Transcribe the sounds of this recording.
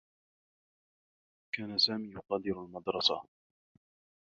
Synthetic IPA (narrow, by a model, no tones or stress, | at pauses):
kaːnasaːmiːjʊqɑːd̪ɪɾalmɑd̪ɾˤɑsa̰